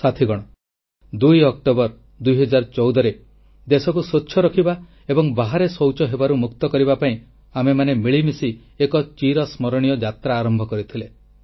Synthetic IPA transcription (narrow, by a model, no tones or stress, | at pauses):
sat̪ʰiɡɔɽ̃ɔ | d̪ujɔkʈobɔɾ | d̪ujɦɔd͡ʒaɾɔt͡ʃɔwd̪ɔɾe | d̪esɔkusot͡ʃːʃʰɔɾɔkʰiba | ebɔŋbaɦaɾesowt͡ʃɔɦebaɾumukt̪ɔkɔɾibapaĩ | amemanemiɭimisi | ekɔt͡ʃiɾɔsmɔɾɔɽ̃ijɔd͡ʒat̪ɾaːɾɔmbʱɔkɔɾit̪ʰile